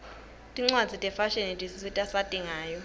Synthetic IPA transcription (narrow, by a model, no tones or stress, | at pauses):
tʼiŋ͡ǀwadd͡zʱitʼɛfaʃɛnitʼisisitʼasad̥ʼʱiŋaːjɔ